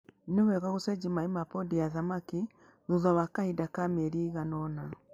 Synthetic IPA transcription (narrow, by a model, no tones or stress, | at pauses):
newɛɣaɣusɛd͡ʒimaimapɔdijaðamaki | ðuðɔwakahidakamɛɾiːɣanɔna